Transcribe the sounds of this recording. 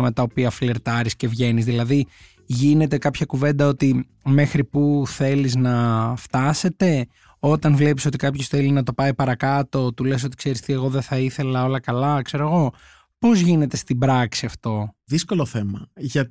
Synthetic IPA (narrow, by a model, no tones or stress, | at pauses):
me̞t̪ɐopiɐfileɾt̪ɐɾisce̞vʝe̞nizðilɐði | ʝine̞t̪e̞kɐpçɐkuve̞nd̪ɐo̞t̪i | me̞xɾipuθe̞liznɐft̪ɐse̞t̪e̞ | o̞t̪ɐnvle̞piso̞t̪ikɐpçosθe̞linɐt̪o̞pɐipɐɾɐkɐt̪o̞t̪ule̞s̬o̞t̪i̥kse̞ɾist̪ieɣo̞ðeθɐiθe̞lɐo̞lɐkɐlɐkse̞ɾo̞ɣo̞ | po̞zʝine̞t̪e̞st̪ibɾɐksiɐft̪o̞ðisko̞loθemɐʝɐ